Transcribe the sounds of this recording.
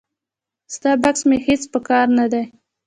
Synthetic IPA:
z̥t̪ɑbaksmehet͡spəkɑɾnad̪a

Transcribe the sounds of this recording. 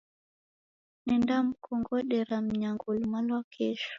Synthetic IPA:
nɛndam̩kɔŋɡɔɗɛɾam̩ɲaŋɡulmalwakʰɛʃ

